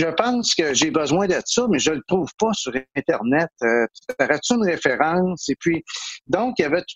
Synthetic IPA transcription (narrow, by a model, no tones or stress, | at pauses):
ʒəpɑ̃ŋskəʒebəzwɛ̃d̪ɛt̪sɔmɛʒələt̪ʁuːv̥pʌsyʁɛ̃t̪ɛʁnɛt̪øt̪aʁɛt̪yynʁefeʁɑ̃ŋsepʰɥid̪ɔ̃kjavɛt̪